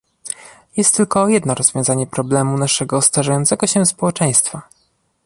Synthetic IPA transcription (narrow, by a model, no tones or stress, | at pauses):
jɛst̪ːɘlkɔjɛd̪nɔɾɔzvʲjɔ̃w̃zaɲɛpɾɔblɛmunaʂɛɡɔst̪aʐajɔnt̪sɛɡɔɕɛspɔwɛt͡ʂɛj̃st̪fa